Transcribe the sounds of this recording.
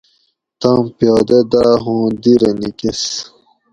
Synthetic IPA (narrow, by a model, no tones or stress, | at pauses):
t̪ɑ̃ːmpjɑːd̪ɐd̪aːɦõːd̪iɾɐnikes